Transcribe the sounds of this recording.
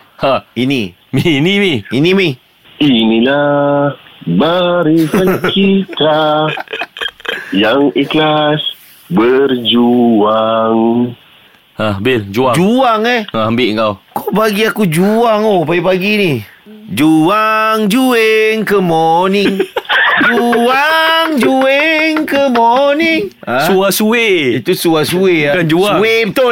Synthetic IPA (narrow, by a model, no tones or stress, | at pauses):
haini | minimiinimi | inila | baɾisət͡ʃit̪a | jaŋiklas | bərd͡ʒuaŋ | abɪld͡ʒuad͡ʒuaŋɛaambɪʔŋkawkobaɡiakud͡ʒuaŋopajapaɡinid͡ʒuaŋd͡ʒueŋkəmonɪŋd͡ʒuaŋd͡ʒueŋkəmoniŋ | asuasueit̪usuasueakand͡ʒusaet̪o